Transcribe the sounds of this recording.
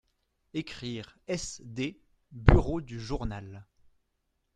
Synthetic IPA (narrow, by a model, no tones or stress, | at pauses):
ekχiːʁɛsd̪e | byʁod̪yʒuʁnal